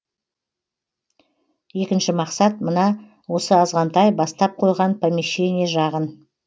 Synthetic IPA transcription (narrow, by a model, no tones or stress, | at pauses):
je̞kʲɪnʃɪmɑqsɑt̪mənɑ | wo̞səɑzʁɑnt̪ɑjbɑst̪ɑp̚qʰo̞jʁɑnpʰamiʃe̞nijeʒɑʁən